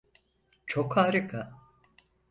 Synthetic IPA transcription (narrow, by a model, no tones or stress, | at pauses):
t͡ʃʰokhaːɾɯkʰa